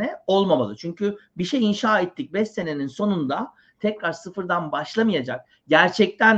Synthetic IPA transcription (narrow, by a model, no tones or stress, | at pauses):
ɛo̞lˠmama̰lˠɯt͡ʃʰyɲcʰybiʃejinʃaːɛt̪ʰːic̚bɛst̪ːene̞ninso̞nund̪a | t̪ʰɛcɾaɾsɯfɯɾd̪anbaʃlˠamɯjad͡ʒak̚ | ɟæɾt͡ʃʰɛc̚t̪ʰæn